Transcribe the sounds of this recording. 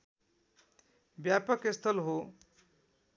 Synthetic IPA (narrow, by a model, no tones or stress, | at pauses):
bjapəkest̪ʰəlɦo